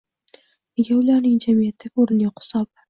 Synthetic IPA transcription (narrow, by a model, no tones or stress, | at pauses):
neɡʲaʊlaɾnɪŋd͡ʒamijat̪ʰːaɡʲoɾɪnaqɪ̥sɒb